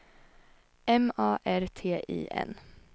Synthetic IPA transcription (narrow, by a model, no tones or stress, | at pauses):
ɛmɑːʔæɾt̪ʰeːʔḭːʔɛ̰n